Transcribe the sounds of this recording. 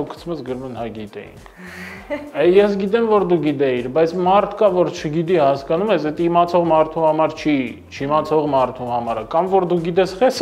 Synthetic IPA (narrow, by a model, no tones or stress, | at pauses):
ukʰːə̥t͡sʰməsɡəɾmɛnhɑɡit̪ɛ̰jḭŋkʰ | ɛjɛsɡit̪ɛmvɔɾd̪uɡit̪̬ɛiɾbɑjt͡sʰmɑɾt̪ʰkɑvɔɾt͡ʃʰəɡid̪ihɑskɑnumɛsɛt̪imɑt͡sʰɔʁmɑɾt̪ʰuhɑmɑɾt͡ʃʰi | t͡ʃʰimɑt͡sʰɔʁmɑɾt̪ʰuhɑmɑɾəkɑmvɔɾd̪uɡit̪̬ɛsχɛs